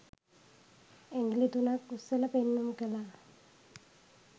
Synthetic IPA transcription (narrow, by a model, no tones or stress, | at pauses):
eŋɡlit̪unakusːeləpenːumukəla